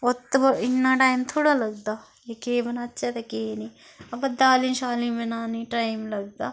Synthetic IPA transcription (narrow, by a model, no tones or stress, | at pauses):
ot̪ːbɪnːãːʈaːimt̪ʰoːɽaːlɐɡ̚d̪aː | jekeːbɐnatːʃʰat̪ekeːniː | ɐbɐd̪aːlinʃaːlibɪnaːniʈaːɪmlɐɡ̚d̪aː